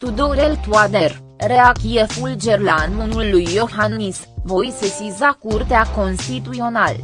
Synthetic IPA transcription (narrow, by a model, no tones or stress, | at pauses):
t̪ud̪oɾelt̪uad̪er | ɾeakiefuld͡ʒerlanunulːujːo̞xannisvo̞jsesizakurt̪eako̞nst̪it̪uio̞nal